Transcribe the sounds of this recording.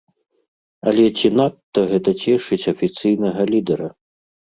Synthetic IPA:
ɐlʲɛt͡sʲinat̪ːɐɣɛt̪ɐt͡sʲɛʂɨt͡sʲɐfʲit̪sɨjnɐɣɐlʲid̪ɛɾɐ

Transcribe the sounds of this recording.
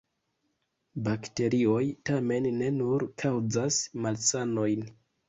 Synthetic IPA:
bakte̞ɾio̞jtame̞nːe̞nuɾkʰawd͡zasmalsano̞jn

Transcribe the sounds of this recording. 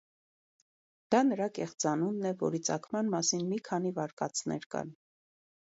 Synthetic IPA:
d̪̥ɑnəɾɑkɛχt͡sɑnunːɛvɔ̰ɾit͡sɑ̰kʰmɑnmɑsinmikʰɑn̪ivɑɾkɑ̰t͡sʰnɛ̰ɾkɑ̰n

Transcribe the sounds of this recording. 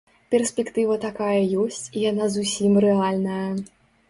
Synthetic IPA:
pʲɛrsʲpʲɛkt̪ɨvɐt̪akajɐjɔsʲt͡sʲijanazusʲimɾɛalʲnɐjɐ

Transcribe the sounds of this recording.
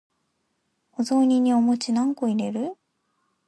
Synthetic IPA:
ozo̞ːɲʲiɲ̟ːiomo̞t͡ɕinãŋko̞iɾe̞ɾɯ̟

